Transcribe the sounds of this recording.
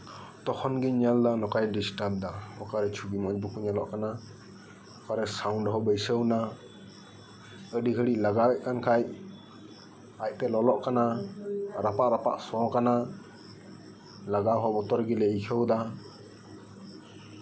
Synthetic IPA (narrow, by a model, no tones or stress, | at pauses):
t̪ɔkʰɔnɡiɲald̪anɔkajdisʈap̚d̪aɔ̰kaɾɛt͡ʃʰubimɔɲbukʰuɲalɔʔkana | ɔkʰaɾɛsawnɖɔɦɔbəjsəwna | əɖiɡəɽiʔlaɡabɛʔ̚kankʰaj | ac̚t̪ɛlɔlɔʔkana | ɾapaʔɾapa̰ʔsɔ̃kana | laɡaɦɔbɔt̪ɔɾɡilɛikʰəwd̪a